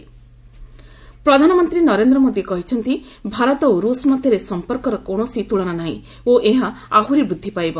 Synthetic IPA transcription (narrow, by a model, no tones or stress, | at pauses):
pɾɔd̪ʱanɔmɔnt̪ɾinɔɾend̪ɾɔmod̪ikɔɦit͡ʃʰɔnt̪i | bʱaɾɔt̪ɔoɾusmɔd̪ʱjɔɾesɔmpɔɾkɔɾɔkoɳ̃ɔsit̪uɭɔnanaɦḭ̃ | oʔeɦaaɦuɾibud̪ʱːipajbɔ